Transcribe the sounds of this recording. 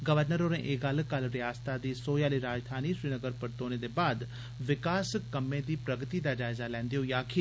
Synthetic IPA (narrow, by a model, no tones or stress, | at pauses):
ɡəʋəɾnəɾoːɾẽːʔeɡəlkəlɾɪjaːst̪aːd̪iːsoːjaːliːɾaːd͡ʒd̪ʰʱaːniːsɾiːnəɡəɾpəɾt̪oːneːd̪eːbaːd̪ | ʋɪkaːskəmːẽːd̪iːpɾəɡt̪iːd̪aːd͡ʒaːɪzaːlɛ̃ːnd̪eoːjaːkʰɪ